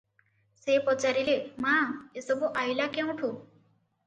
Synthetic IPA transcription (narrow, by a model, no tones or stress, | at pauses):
sepɔt͡ʃaɾilemãesɔbuʔajlakew̃ʈʰu